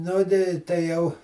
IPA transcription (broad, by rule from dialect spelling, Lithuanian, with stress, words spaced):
ˈnʊ tɐɪ tɐɪ ˈjɛʊ